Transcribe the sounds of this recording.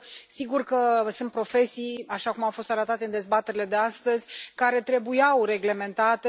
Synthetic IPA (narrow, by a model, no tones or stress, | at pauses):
siɡurkəsɨnt̪pɾo̞fe̞sijaʃakumawfo̞st̪aɾət̪at̪e̞ɨnd̪e̞zbat̪e̞ɾile̞d̪e̞ast̪əzʲkaɾe̞t̪ɾe̞bujawre̞ɡle̞me̞nt̪at̪e